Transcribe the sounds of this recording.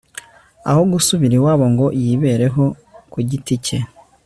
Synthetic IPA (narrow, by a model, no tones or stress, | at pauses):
a̰ho̞ɡusuβiɾiwaːβoŋɡo̞jiːβe̞ːɾe̞ɦo̞ | kuɟitice